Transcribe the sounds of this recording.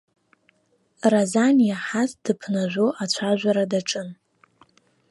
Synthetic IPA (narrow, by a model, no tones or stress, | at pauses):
razanjaħazd̥ɨpʰnaʒʷoʔat͡ɕʷʰaʒʷᶣaɾadaʈ͡ʂʼɨn